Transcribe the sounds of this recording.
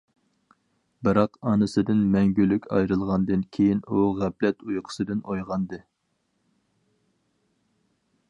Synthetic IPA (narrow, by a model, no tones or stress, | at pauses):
bɨɾɑqɑnɨsɨd̪ɨnmɛŋɡʲylykʲɑ̰jɾɨlˠʁɑnd̪ɨnkʲʰejinuʁæplɛt̪ʰujqʰə̥sɨd̪ɨnʔojʁɑnd̪ɨ